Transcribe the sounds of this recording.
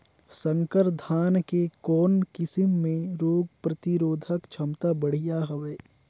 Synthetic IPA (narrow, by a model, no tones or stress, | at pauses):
sə̃ŋkəɾd̪ʱaːnkekɔːnkɪsɪmːẽɾoːɡpɾət̪iɾoːd̪ʱəkt͡ʃʰɐmt̪abəɽ̤ijaɦɐʋeː